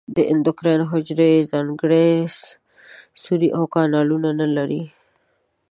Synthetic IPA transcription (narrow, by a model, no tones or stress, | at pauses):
d̪əʔɪnd̪ʊkɾenɦʊd͡ʒɾezɑŋɡəɽe | suɾiʔawkɑnɑlunanalaɾi